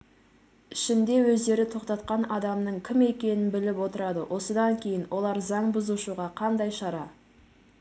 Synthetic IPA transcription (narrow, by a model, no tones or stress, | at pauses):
ɪʃɪnd̪e̞wɵzd̪e̞ɾɪt̪ʰo̞qt̪ɑt̪̚qɑnɑd̪ɑmnəɴkʲʰɪme̞kʲe̞nɪnbɪlɪpwo̞t̪əɾɑd̪ə̰wʔo̞səd̪ɑŋkʲʰe̞jɪnwʔo̞lˠɑɾzɑɴbʊzuʃuʁɑqʰɑnd̪ɑjʃɑɾɑ